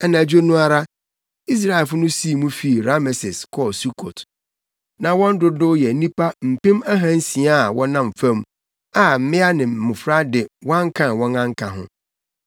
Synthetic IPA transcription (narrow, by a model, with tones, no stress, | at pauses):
ɛ˨nã˨d͡ʑᶣo˦nũ˦a˦ɾa˦ | i˦s̬ɾa˦˨ɛ˨lfʊ˦nʊ̃˦si˦˨mũ˦fi˦˨ɾa˦mɛ˨sɪ˨skʰɔ˦˨su˦kʰo˨t | nã˨wɔ̃˦n̩˦dʊ˨dʊ˦jɛ˨˦nĩ˦pʰa˦m̩˨pɪ̃˦ma˦ɦã˦n̩˦sĩ˨a˦a˨wɔ̃˦nã˨m˨fã˦m | a˨m̩˨mɪ̃˦a˦nɪ̃˨mʊ̃˨fɾa˦dɪ˨wã˦ŋ˦kʰã˦˨nwɔ̃˦ŋã˦ŋ̩˦kʰa˨ɦʊ̰̃˦